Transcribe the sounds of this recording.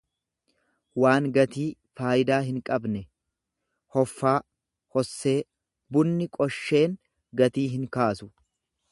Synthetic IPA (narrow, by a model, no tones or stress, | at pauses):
waːŋɡɐt̪iː | faːjɪd̪aːɦɪŋkʼɐbnɛ | hɔfːaː | hɔsːe̞ː | bʊnːɪkʼɔʃːe̞ːŋ | ɡɐt̪iːɦɪŋkaːsʊ̥